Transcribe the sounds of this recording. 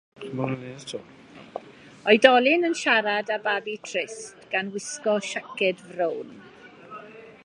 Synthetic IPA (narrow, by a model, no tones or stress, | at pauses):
manəneðtʰṵː | ɔɨdɔlˠɪnənʃaɾadababitʰrɪstɡ̥anwɪskɔʃakɛdvrown